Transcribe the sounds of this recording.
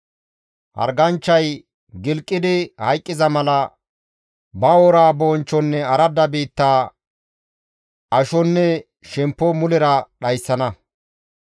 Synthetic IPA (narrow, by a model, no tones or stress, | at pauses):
ʔɐ̰ɾɡɐnt͡ʃːɐj | ɡɪlkʼːɪd̪ɪhɐjkʼːɪzɐmɐlɐ | bɐwoɔɾaːbɔːnt͡ʃːɔnːɛɐɾɐd̪ːɐbiːt̪ːaː | ʔɐʃɔnːɛ | ʃɛmpːɔmʊlɛɾɐɗɐjsːɐnɐ